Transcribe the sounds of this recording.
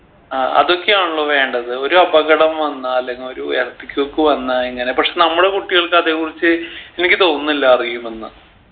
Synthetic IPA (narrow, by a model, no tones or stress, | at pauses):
aːʔɐ̰ðo̞kːejaːɳuɭːoʋe̞ːɳɖɐðɨo̞ɾuɐbɐɣɐɽɐmʋɐnːɨɐlːeŋːɡilo̞ɾuerɐp̪ːikʲːokːɨʋɐnːaeŋːɐne̞pɐkʂe̞nɐmːuɽe̞kuʈːiɣɐɭkɨɐðe̞ːkːurit͡ɕːɨenikʲːɨt̪o̞rnːilːaɐriɣɐjumenːɨ